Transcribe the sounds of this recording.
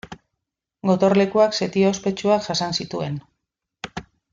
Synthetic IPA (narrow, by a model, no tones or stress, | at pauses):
ɡo̞t̪o̞ɾle̞kuakse̞t̪iospe̞t͡ʃuakʝasansit̪ue̞n